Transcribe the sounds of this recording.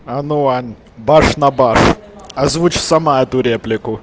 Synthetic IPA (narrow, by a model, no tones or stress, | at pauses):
ɐnuanʲ | baʂnɐbaʂɐzvut͡ɕsɐmaɛt̪ʊɾʲeplʲɪkʊ